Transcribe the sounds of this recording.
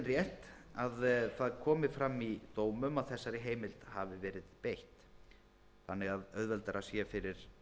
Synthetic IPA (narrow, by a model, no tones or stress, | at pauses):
nrjɛht̪aðθaðkʰɔːmɪfɾamːit̪oːwmʏmaðθɛsːaɾɪɦeːjmɪlt̪havɪvɛːɾɪðpejht̪ | θanːɪɣaðœðvɛlt̪aɾʔasjɛfɪɾɪɾ̥